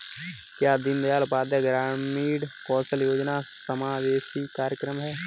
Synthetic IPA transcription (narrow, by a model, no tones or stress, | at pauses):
kjaːd̪ɪnd̪jaːlʊpaːd̪jəɡɾaːmiːɽkɔːsəljoːd͡ʒnasəmaːʋeːʃikaːɾjəkɾəmɦɛː